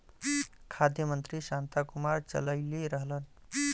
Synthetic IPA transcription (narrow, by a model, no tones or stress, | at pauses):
kʰad̪jəmənt̪ɾisant̪akumaɾt͡ʃə̰ləɪleɾəɦlən